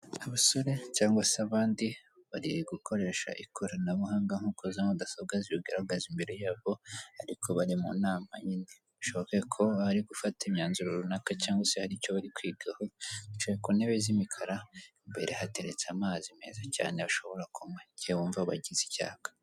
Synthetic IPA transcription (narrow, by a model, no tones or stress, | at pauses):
aβaso̞ɾe̞caːŋɡwaseaβaːndiβaɾiɡukʰo̞ɾe̞ːʃa̰ʔikʰoɾanaβuhaːŋɡaŋ̥ukozanudasaβ̚ɡaziɾuɡaɾaɡazimbeɾejaːβo̞aɾikʰo̞βaɾimṵnaːma̰ɲini | βuʃoβokekʰo̞aɾiɡufatimɲaːnzuɾoɾunakacaːŋɡwasehaɾico̞βaɾikwiːɡahoiʃoβekuneβezimikʰaɾaimbe̞ɾʔe̞hate̞ɾe̞t͡samaːzime̞̰zaca̰ːneβaʃo̞βo̞ɾakʰumeɟewuːɱvaβa̰ɟizi̥ca̰ːkḁ